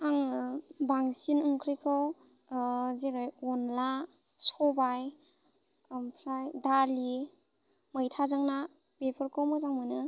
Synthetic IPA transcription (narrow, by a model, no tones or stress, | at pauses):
aŋbaŋsinɯŋkʰɾijkʰɯw | zeɾɯjɔnla | sɔbaj | mpʰɾajdali | məjtʰazaŋna | bepʰɔɾkʰɯwmɯzaŋmɯnɯ